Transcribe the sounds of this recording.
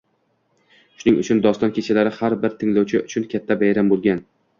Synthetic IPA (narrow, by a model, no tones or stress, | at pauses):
ʃʊnɪŋʊ̰t͡ʃʰʊnd̪ɒst̪ɒnkʲʰet͡ʃʰalaɾɪhaɾbɪɾt̪ʰɪŋlawt͡ʃʰɪʊt͡ʃʰʊnkʲʰat̪ʰːabajɾambolˠɡʲan